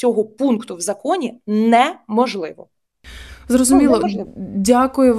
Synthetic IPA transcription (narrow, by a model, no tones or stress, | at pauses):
ɔɦɔpunkt̪ʊwzɐkɔnʲinɛmɔʒlˠɪʋɔ̰ | zrɔzʊmʲilˠɔɪdʲakʊjʊʋ